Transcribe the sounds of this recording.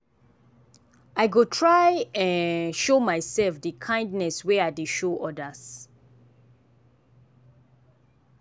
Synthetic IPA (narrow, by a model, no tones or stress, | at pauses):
ajɡotʰɹajɛ̃nʃomajsɛlfdikʰãɪ̃ndnɛswɛajdeʃoʔɔdəz